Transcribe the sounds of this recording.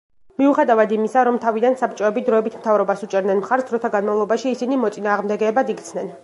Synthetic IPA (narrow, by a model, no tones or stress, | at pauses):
miuχɛd̪avad̪imisaɾɔmt̪ʰavid̪ansapʰt͡ʃʼɔɛbid̪ɾɔɛbit̪ʰmt̪ʰavɾɔbasut͡ʃʼɛɾd̪nɛnmχaɾsɾɔt̪ʰaɡanmavlˠɔbaʃiːsinimɔt̪sʼinaːʁmd̪ɛɡɛːbad̪ikʰt̪sʰnɛn